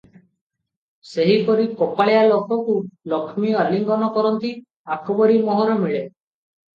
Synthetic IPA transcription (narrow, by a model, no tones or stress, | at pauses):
seɦipɔɾikɔpaɭjalokɔkulɔkʰmiɔaliŋɡɔnɔkɔɾɔnt̪i | akʰɔbɔɾimɔɦɔɾɔmiɭe